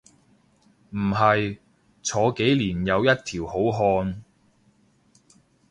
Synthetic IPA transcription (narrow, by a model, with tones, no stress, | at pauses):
m̩˨˩ɦɐ˨j | t͡sʰɔː˨˧ke˨˥jliː˨˩njɐ˨˧wjɐ˥t̚t̪ʰiː˨˩who˨˥wɦɔː˧n